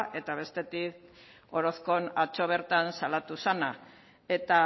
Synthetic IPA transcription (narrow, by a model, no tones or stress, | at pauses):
ʔe̞t̪aβ̞e̞st̪e̞t̪ik | o̞ɾo̞sko̞nat͡ʃo̞β̞e̞ɾt̪ansalat̪usana | e̞t̪a